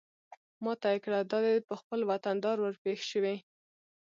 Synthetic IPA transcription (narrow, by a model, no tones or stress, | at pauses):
mɑt̪ɑjkɽad̪ɑd̪epəxpəlwat̪and̪ɑɾwəɾpexʃəwi